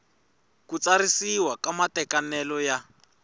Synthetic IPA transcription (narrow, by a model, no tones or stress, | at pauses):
kut͡saɾisiwakamatɛkanɛlɔja